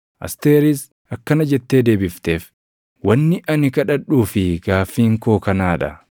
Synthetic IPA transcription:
ʔɐ̰st̪eːɾɪs | ʔɐkːɐnɐd͡ʒɛt̪ːe̞ːd̪e̞ːbɪft̪e̞ːf | wɐnːɪʔɐnɪkɐᶑɐᶑuːfɪɡaːfːiːŋkoːkɐnaːᶑɐ̰

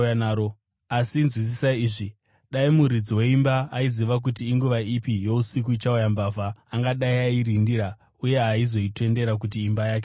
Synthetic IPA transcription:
nao | asinzwis̬isaiːʐi | ɗaimuɾid͡ziwe̞imbaaiziʋak̬utiːŋɡuʋaipijo̞usik̬uit͡ʃaujambaːvaːŋɡaɗaiaiɾindiɾa | uje̞ɦaizo̞ite̞nde̞ɾak̬ut̬iːmbajaːke

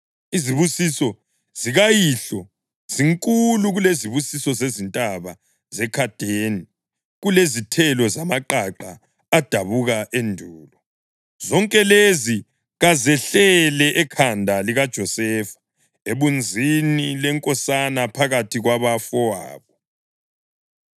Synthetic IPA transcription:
iziβusisɔ | z̥iɣajiɬɔ | z̥iŋkʼuluɣuleziβusisɔzezintʼaβa | zɛkʰad̥ʱeni | ɣulezitʰɛlɔzamaǃaǃaː | d̥ʱaβuɣaʔendʱuːlɔ | zɔŋkʼɛlezi | ɣazɛɬɛlɛʔɛkʰandʱaliɣad̥ʒ̥ʱɔsɛːfḁ | eβund͡zʱinilɛŋkʼɔsanapʰaɣatʰiɣwaβafɔwa̰ːβɔ

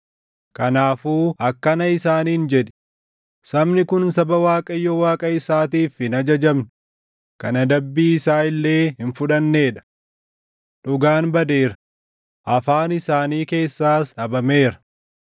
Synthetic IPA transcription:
kɐnaːfuːɐkːɐnɐɪsaːniːnd͡ʒɛᶑ̪ɪ̥ | sɐmnɪkʊnsɐbɐwaːkʼɐjːɔwaːkʼɐɪsaːt̪iːfɪnɐd͡ʒɐd͡ʒɐmnʊ | kɐnɐd̪ɐbːiːɪsaːɪlːe̞ːhɪnfʊᶑɐnːe̞ːᶑɐ̥ | ᶑʊɡaːnbɐd̪e̞ːɾɐ̥ | ʔɐfaːnɪsaːniːke̞ːsːaːsᶑɐbɐme̞ːɾɐ̥

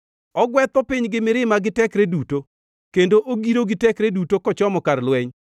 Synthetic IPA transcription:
ɔɡwɛt̪ɔpɪɲɡɪmɪɾɪmaɡɪtɛkɾeduto | kendoʔoɡiɾoɡɪtɛkɾedutokɔt͡ʃɔmɔkaɾlwɛɲ

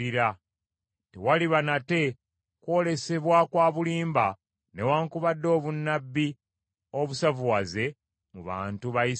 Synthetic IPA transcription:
iɾa | tewaliβanate̞ | kwo̞ːle̞se̞βwakwaːβuliːmba | ne̞waːŋkuβadːo̞ːβunːabːi | o̞βusavuwaze̞ | muβa̰ːntuβaji

